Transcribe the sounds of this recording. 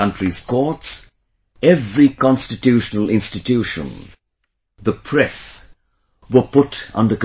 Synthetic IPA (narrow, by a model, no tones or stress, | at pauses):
ʌ̃ntɹiz̥kʰɔɹts | ɛvɹikɑ̃nstɨtuʃənəl̩ˠɪ̃nstɨtʰuʃə̰̃n | ðəpʰɹɛs | wəpʊɾ̃nðək